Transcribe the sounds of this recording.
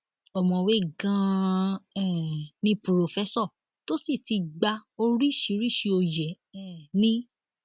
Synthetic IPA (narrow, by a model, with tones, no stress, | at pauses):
ɔ˨mɔ̃˨we˨˦˨ɡã˧ | ɛ˦˨nĩ˧po˨ɾo˨fɛ˦sɔ˦˨ | to˦si˦˨ti˧ɡ͡ba˧o˧ɾi˦ʃi˨˦ɾi˦˨ʃi˧o˧jɛ˨˦ | ɛ˨nĩ˦